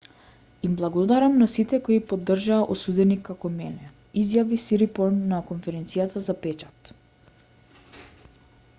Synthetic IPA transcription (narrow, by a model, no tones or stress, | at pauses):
imblˠaɡɔd̪aɾamnasit̪ɛkoipod̪ːr̩ʒaːʔosud̪ɛnikːakɔmɛnɛ | izjavisiɾipɔnːakonfɛɾɛnt̪sijat̪azapɛt͡ʃḁt̪